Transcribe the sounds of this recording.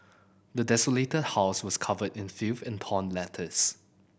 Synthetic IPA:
dədɛsoletəd̚haʊswɔskʰavədɪ̃nfuvɛ̃ntʰɔ̃nlɛtʰəs

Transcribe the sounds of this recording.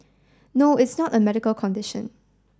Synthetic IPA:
noɪtsnɔtəmɛɾɪkəlkʰɔ̃ndɪʃə̰̃n

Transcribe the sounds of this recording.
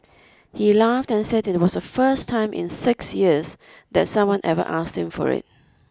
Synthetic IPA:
hilaftɛ̃nsɛdɪt̚wɔsdəfəstʰãɪ̃mʔɪ̰̃nsɪksjiəs | d̪ɛtsʌ̃mwʌ̃nʔɛvə̰ʔasthɪ̃mfɔ̰ɹɪ̰t̚

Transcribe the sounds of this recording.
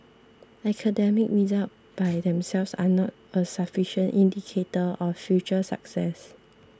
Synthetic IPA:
ɛkʰədɛmikɹizat̚b̥ajdɛ̃msɛlvsa̰nɔt̚ | əsafiʃə̃ntĩndikʰetəʔɔfjut͡ʃəsa̰ksɛs

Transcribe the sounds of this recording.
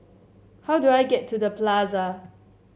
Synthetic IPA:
hawduajɡɛtʰːudəplazə

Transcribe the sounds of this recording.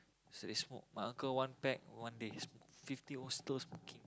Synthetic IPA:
sodesmo̰ʔmãʔãŋkəwãnpɛk̚wãndesmfift̪iõst̪osmokĩŋ

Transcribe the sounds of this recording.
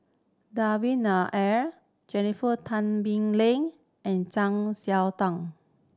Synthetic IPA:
dawĩnaʔɛɹ | d͡ʒɛnifətʰãnbĩŋlẽŋ | ʔɛ̃nt͡ʃãŋsjɛwtãŋ

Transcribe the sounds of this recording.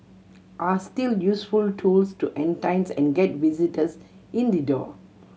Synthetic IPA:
ʔastiljusfultʰuːlstuʔɛ̃ntãɪ̃nsɛ̰̃nɡɛt̚ʋizitəs | ʔĩnd̪idɔ̰

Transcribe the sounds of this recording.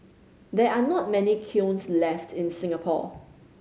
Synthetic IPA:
d̪ɛanɔt̚mɛnikʰjũnslɛftʰɪ̃nsɪ̃ŋəpʰɔ̰

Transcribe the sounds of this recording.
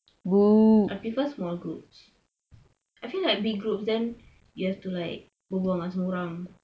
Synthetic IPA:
buʔapifəsmɔlɡɹup̚s | ʔajfilaɪk̚biɡɡɹup̚sdɛ̃n | juhɛftulaɪk̚ | bəbuãŋasəmuɾãŋ

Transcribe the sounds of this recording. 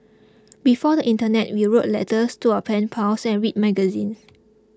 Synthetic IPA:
bifɔdəʔĩntənɛtwiɹot̚lɛ̰təstuapʰɛ̃npʰaʊsɛ̃nɹit̚mɛɡəzḭ̃n

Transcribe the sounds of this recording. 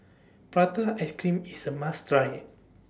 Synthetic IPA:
pɹat̪aɛskɹĩmisəmastɹajət̚

